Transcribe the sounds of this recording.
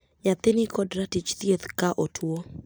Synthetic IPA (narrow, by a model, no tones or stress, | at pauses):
ɲat̪ɪnɪkɔdɾatit͡ʃt̪jet̪kaʔotʰwo